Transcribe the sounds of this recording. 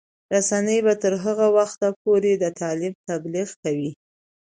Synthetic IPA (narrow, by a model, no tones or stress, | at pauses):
ɾasanəjbat̪əɾɦəɣawaxt̪ap̚oɾed̪ət̪ɑlɪb̚t̪abliɣkawi